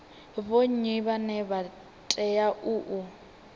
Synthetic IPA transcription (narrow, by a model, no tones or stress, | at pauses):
βoɲiβanɛβa | tʼɛjaʔuʔu